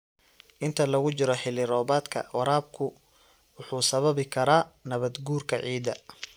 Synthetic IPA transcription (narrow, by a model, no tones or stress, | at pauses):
ʔɪnt̪ʰɐlɐɣʊt͡ʃɪɾɔħɪlɪɾɔːbaːd̪kʰɐ̰wɐɾaːb̚kʰʊ | wʊħuːsɐβɐβɪkʰɐɾaːnɐβɐd̪ɡuːrkʰɐʕiːd̪ɐ